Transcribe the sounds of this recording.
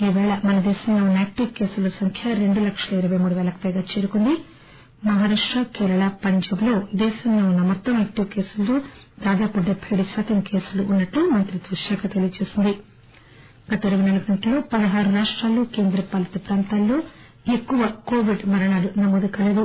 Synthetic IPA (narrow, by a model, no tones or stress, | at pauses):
iːʋɛːɭɐmɐnɐd̪ɛːʃɐmloːnaːk̚ʈiʋkeːsulɐsɐŋkʰjɐɾe̞ɳɖulɐkʂɐlɐiɾɐʋɐjmuːɽuʋɛːlɐkɐ̥pɐjɡaːt͡ʃe̞ːɾukond̪i | mɐɦaːɾaːʂʈɾakɛːɾɐɭɐpɐɲd͡ʒɐmlo̞ːd̪ɛːʃɐmloːunːɐmɔt̪ːɐmaːk̚ʈːiʋkeːsulːud̪aːd̪aːpuɖebːɐjɐɽuʃaːt̪ɐmke̞ːsuluʔːnːɐʈlumɐnt̪ɾid̪ʋuʂaːkɐt̪elijɐt͡ʃe̞ːsind̪i | ɡ̥ɐt̪ɐɾubinɐlɐɡɐnʈɐlo̞ːpɐd̪ɐɦaːɾuɾaːʂʈɾaːluːke̞ːnd̪ɾɐpaːlːɐt̪ɐpɾaːnt̪aːlːoː | e̞kːuʋɐko̞ːʋiɖmɐɾɐɳaːlunɐmoːd̪ukɐleːd̪u